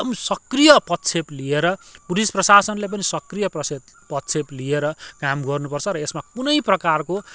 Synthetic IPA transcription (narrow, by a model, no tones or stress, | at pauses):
ʌmsʌkrijʌpʌt̪t͡sʰeplieɾʌpuɾisprʌsasʌnlep̬ʌnisʌkrijʌprʌsed̪pʌt̪t͡sʰeplieɾʌkamɡʌrnupʌrt͡sʰʌɾʌesmakunʌjprʌkarko